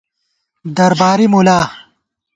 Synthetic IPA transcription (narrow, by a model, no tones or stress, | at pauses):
d̪ɐɾbaːɾimulaː